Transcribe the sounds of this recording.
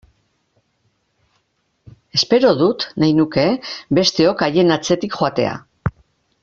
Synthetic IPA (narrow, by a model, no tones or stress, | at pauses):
e̞spe̞ɾo̞ðut̪najnuke̞be̞st̪e̞o̞kaje̞nat͡se̞t̪ikxoat̪e̞̰a̰